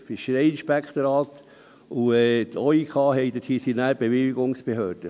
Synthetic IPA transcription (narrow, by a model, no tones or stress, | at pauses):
fiʃːəɾɛɪɪnʃpækχt̪oɾɑːt̪ | uɛt̪ʰɔikʰɑːɦɛɪd̪əthisinæːɾb̥eʋɪliɡoŋsb̥ehøːɾd̥ə